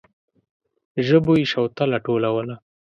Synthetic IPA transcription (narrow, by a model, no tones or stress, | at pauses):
ʒəboiʃawt̪alaʈolawəla